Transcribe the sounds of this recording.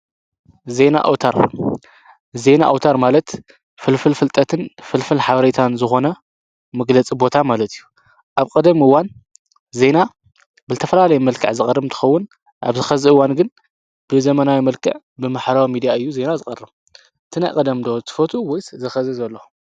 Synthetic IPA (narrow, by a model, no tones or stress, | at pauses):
ze̞na̰ʔa̰wt̪ʰaɾ | ze̞na̰ʔa̰wt̪ʰaɾmalɐt̪ | fɨlfɨlfɨlt̪ʼɐt̪ʰɨnfɨlfɨlħaβɐɾet̪ʰanzɨxo̞nɐ | mɐɡlɐt͡sʼibo̞t̪ʰamalɐt̪ʰijːu | ʔaβkʼɐd̪ɐmɨwːan | ze̞na | bɨzt̪ʰɐfɐlalɐjimɐlkʰɨ̰ʕzɨxʼɐrɨmt̪ʰɨ̥xɐwːʊn | ʔa̰βzɨxɐzɨɨwanɡɨn | b̥ɨzɐmɐnawimɐlkʰɨ̰ʕ | bɨmaħɾawimid̪ijaɨjːuze̞nazɨkʼɐrːɨm | ʔɨt̪ʰɨnajkʼɐd̪ɐmd̪ot̪ʰɨ̥fot̪ʰuwɔjszɐxɐzɨzɐlːo